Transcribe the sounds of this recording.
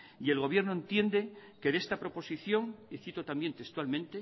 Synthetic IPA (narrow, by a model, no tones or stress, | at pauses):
ie̞lɣ̞o̞βje̞ɾnoent̪je̞nd̪e̞ke̞ðe̞st̪apɾo̞po̞siθjo̞ŋiθit̪ot̪ambje̞nt̪e̞st̪walmẽ̞nt̪e